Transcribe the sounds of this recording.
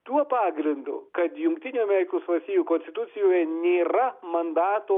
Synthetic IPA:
t̪uɔpɑːɡɾʲɪnd̪ʊ̰kɐt̪jʊŋkt̪ʲɪnʲuːɐmʲɛɾʲɪkoːsʋɐsʲiːjuːkɔnʲsʲt̪ʲɪ̥t̪ʊt̪sʲɪjoːjɛnʲeːɾɐmɐnd̪ɑːt̪oː

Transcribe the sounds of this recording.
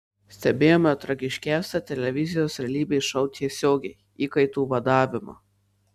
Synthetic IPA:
sʲt̪ʲɛbʲeːjoːmʲɛt̪ɾɐɡʲɪʃʲkʲæˑːsʲɛt̪ʲɛlʲɛʋʲɪzʲɪjoːsɾʲɛlʲiːbʲeɪʃɐʊt̪ʲiɛsʲoːɡʲɛɪ | iːkɐɪt̪uːʋɐd̪ɑːʋʲɪmɑ̰

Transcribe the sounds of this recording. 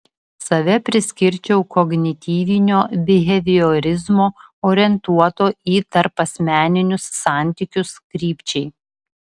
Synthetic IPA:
sɐʋʲɛpʲɾʲɪsʲkʲɪɾʲt͡ʃʲɛʊkɔɡnʲɪt̪ʲiːʋʲɪnʲoːbʲɪɦʲɛʋʲɪoːɾʲɪzmoːoːɾʲɪɛnt̪uɔt̪oːiːt̪ɐɾpɐsʲmʲæːnʲɪnʲʊsːɑˑnʲˑt̪ʲɪkʲʊskɾʲiːpʲt͡ʃʲɛɪ

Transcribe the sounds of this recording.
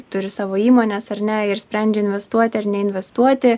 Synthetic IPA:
t̪ʊɾʲɪsɑːʋoːiːmoːnʲɛsɐɾʲnʲɛɪɾsʲpʲɾʲɛnʲd͡ʒʲɛɪnʲʋʲɛst̪uɔt̪ʲɪɐɾnʲɛɪnʲʋʲɛst̪uɔt̪ʲɪ

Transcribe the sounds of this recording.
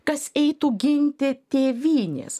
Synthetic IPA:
kɐsɛɪt̪uɡʲɪnʲt̪ʲɪt̪ʲeːʋʲiːnʲḛːs

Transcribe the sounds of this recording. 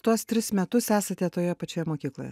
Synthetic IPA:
t̪uɔst̪ʲɾʲɪsmʲɛt̪ʊsæːsɐt̪ʲɛt̪oːjɛpɐt͡ʃʲoːjɛmoːkʲiːklˠo̰jɛ̰

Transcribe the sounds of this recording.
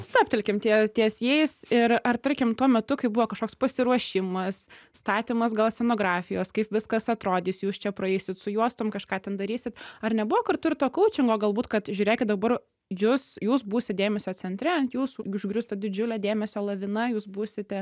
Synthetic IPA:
st̪ɑːpʲt̪ʲɛlʲkʲɪmt̪ʲiɛt̪ʲiɛsjɛɪsɪɾɐrt̪ɐɾʲkʲɪmt̪uɔmʲɛt̪ʊkɐɪbʊʋoːkɐʃkoːkspɐsʲɪɾuɔʃʲɪmɐsst̪ɑːt̪ʲiːmɐsɡɐlˠsʲɛnoːɡɾɑːfʲɪjoːskɐɪpʋʲɪskɐsɐt̪ɾoːd̪ʲiːsjuːst͡ʃʲɛpɾɐɛɪsʲɪt̪sʊjuɔst̪ʊmkɐʃkɑːt̪ʲɛnd̪ɐɾʲiːsʲɪt̪ɐrnʲɛbʊʋoːkɐrt̪ʊɪɾrt̪oːkɐʊt͡ʃʲɪŋɡoːɡɐlˠbuːt̪kɐt̪ʒʲʉʊːɾʲeːkʲɪt̚d̪ɐbɐr | juːsjuːsbuːsʲɪt̚ʲd̪ʲeːmʲɛsʲoːt͡sʲɛnʲt̪ʲɾʲɛɐnt̪juːsʊʒʲɡɾʲʊst̪ɐd̪ʲɪd͡ʒʲʊlʲɛːd̪ʲeːmʲɛsʲoːlˠɐʋʲɪnɐjuːsbuːsʲɪt̪ʲɛ

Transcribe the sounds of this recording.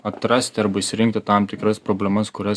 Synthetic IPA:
ɐt̪ɾɐsʲt̪ʲɪɐɾbɐɪsʲɪɾʲɪŋk̚t̪ʲɪt̪ɑˑmt̪ʲɪkɾɐspɾoːbʲlʲɛmɐskʊɾʲɛ

